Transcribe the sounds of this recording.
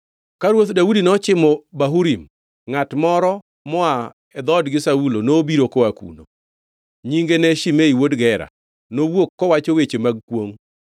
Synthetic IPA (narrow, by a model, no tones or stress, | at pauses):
kaɾwot̪daudinɔt͡ʃɪmɔbaɦuɾim | ŋatmɔɾɔ | mɔa | ɛd̪ɔdɡɪsaulonobiɾokoakṵno | ɲiŋɡenɛʃimeiwodɡɛɾa̰ | nowokːɔwat͡ʃowet͡ʃemaɡ̚kwoŋ